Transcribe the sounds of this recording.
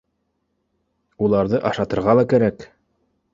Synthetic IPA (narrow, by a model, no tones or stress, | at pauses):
ulˠɑɾðɤʔɑʃɑt̪ɤ̆ɾʁɑlˠɑkæɾæk